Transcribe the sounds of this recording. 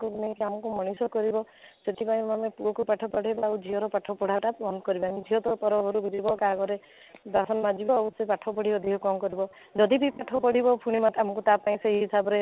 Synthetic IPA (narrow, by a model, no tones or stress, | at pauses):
kuknekiamɔkumɔɽ̃isɔkɔɾibɔ | set̪ipaĩamepuɔkupaʈʰɔpɔɽ̤ʱajbaawd͡ʒʱiɦɔɾɔpaʈʰɔpɔɽ̤ʱaʈapbɔnd̪kɔɾibamid͡ʒʱiɦɔt̪ɔpɔɾɔbɔɾubʱiɾibɔkaɡɔɾe | d̪asɔnɔmad͡ʒibɔawsepaʈʰɔpɔɽibɔd̪ʱiɦɔkɔmkɔɾibɔ | d͡ʒɔd̪ibipaʈʰɔpɔɽ̤ibɔpʰuɽ̃imat̪amɔkut̪apaĩseɦiɦisabɔɾe